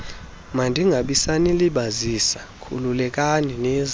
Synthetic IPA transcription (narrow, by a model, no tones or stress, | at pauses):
mandʱiŋɡʱaɓisaniliɓazisa | kʰṵlulɛk̬ʼaninɛːz